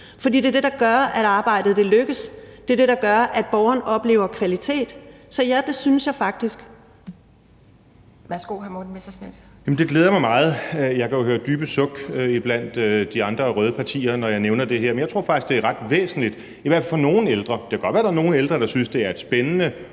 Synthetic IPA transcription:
fɒd̥ḭːd̥eɐd̥e̝dɑ̈ɡ̥ɶɐʔæɾ̥ɑ̈ːb̥ɑ̈ɪ̰d̥ð̩ˠd̥e̝løɡ̥əsd̥e̝d̥e̝ɾ̥ɑ̈ɡ̥ɶɐʔæd̥̚b̥ɒʊɐnɒ̽b̥le̝̰ːʊɐkʰʋælit͡sʰe̝̰ːd̥sɒ̽jæd̥e̝synsjɑ̈ɪfɑ̈ɡ̥̚d̥isɡ̥ | ʋæsɡ̥o̝̰ːɦæɐmo̥n̩ʋessnel | jɛmn̩d̥e̝ɡ̥leːð̞ˠɐmɑ̈ɪmɑ̈ːð̞̩ˠjɑ̈ɪkʰæjo̝høːɐd̥yːb̥əsɔ̽ɡ̥øib̥læn̰d̥ød̥iɑ̈nd̥ʁɐʁœːð̞ˠəpʰɑ̈t͡sʰḭːɐnɒjɑ̈ɪneʊnɐd̥e̝ɦeɐ̰enjät͡sʰʁo̝ɐ̰fɡ̥̚isɡ̥d̥e̝æɐʁɑ̈d̥ʋḛːsn̩lid̥ | iʋæɐ̰fælfɒno̝ːn̩eld̥ʁɐd̥ekʰæɡ̥ɒd̥ʋæɐd̥ɑɐno̝ːn̩eld̥ʁɐɾ̥ɑ̈synsd̥e̝æɐe̝d̥sb̥enənə

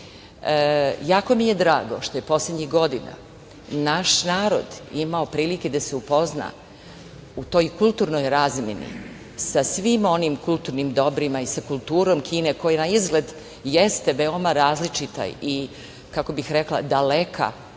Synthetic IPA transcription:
jaːko̞mije̞d̪ɾaːɡo̞ʃt̪oje̞po̞sled̪ɲixɡo̞d̪ina̰ | naʃnaːɾo̞̰d̪imao̞pɾiːliked̪aseupo̞zna̰ | ut̪o̞jkulˠt̪uːɾno̞jɾazmʲḛnḭ | sasʋimo̞nimkulˠt̪uːɾnimd̪o̞bɾimaisakulˠt̪uːɾo̞ːmkʰiːneko̞jenaizɡle̞d̪ | jest̪e̞ʋe̞o̞maɾaːzlit͡ʃit̪a̰i | kakobixɾeklˠa̰d̪alekʰa̰

